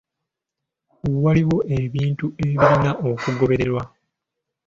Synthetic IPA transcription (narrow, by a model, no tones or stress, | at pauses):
waliwo̞ʔeβiːntue̞βiβiɾinaʔokuɡo̞βe̞ɾe̞ɾwa